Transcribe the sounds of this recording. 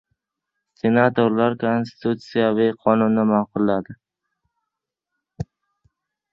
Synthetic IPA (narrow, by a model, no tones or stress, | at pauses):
senat̪oɾlaɾkʰonst̪ʰut̪sijaviqʰɒnʊnːɪmaqʊlːad̪ɪ